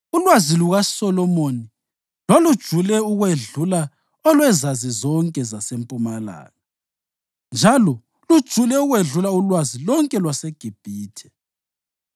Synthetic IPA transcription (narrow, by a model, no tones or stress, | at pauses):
ulwaziluɣasɔlɔmoːni | lɔlud̥ʒ̥ʱulɛuɣweɮula | ɔlwɛzazizɔŋkʼɛzasempʼumala̰ːɣa | nd͡ʒʱalɔ | lud̥ʒ̥ʱulɛuɣweɮulaulwazilɔŋkʼɛlwaseɡ̥ʱib̥ʱiːtʰɛ̥